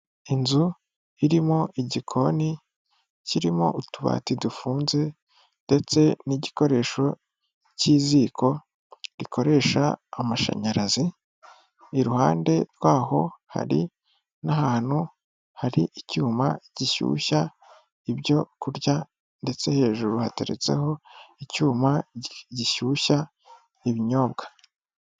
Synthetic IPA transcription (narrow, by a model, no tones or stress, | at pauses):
inzu | iɾimo̞ʔiɟikʰo̞ni | ciɾimo̰utuβa̰ːtidufuːnze̞ | nde̞t͡se̞niɟiko̞ɾe̞ːʃo̞ | ciːziːkʰo̞ | ɾikʰo̞ɾe̞ːʃa̰ːmaʃa̰ɲaɾazi | iɾuhaːnde̞ɾɡwaːho̞ha̰ɾḭ | nahaːn̥hu | haɾiʔicuːmaɟ̥iʃṵːʃa | ibɟo̞kuɾɟa | nde̞t͡se̞he̞ːʒuɾuha̰teɾḛt͡se̞̰ho̞icuːmaɟiʃuːʃa | iβiɲo̞ːbɡḁ